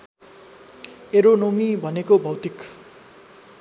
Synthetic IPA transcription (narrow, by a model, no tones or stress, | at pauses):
eɾonomibʱʌnekobʱʌwt̪ik